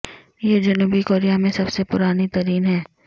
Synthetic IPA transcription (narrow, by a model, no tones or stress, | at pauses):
jeːd͡ʒɐnuːbikoːɾijamẽsɐbsepʊɾaːnit̪ɐɾiːnɦɛː